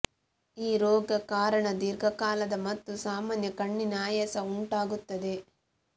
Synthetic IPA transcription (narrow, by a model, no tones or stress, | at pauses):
iːɾɔːɡɐkaːɾɐɳɐd̪iɾɡʱɐkaːlɐd̪ɐmɐt̪ːusaːmaːnjɐkɐɳːinaːjɐsɐuɳʈaːɡut̪ːɐd̪e̞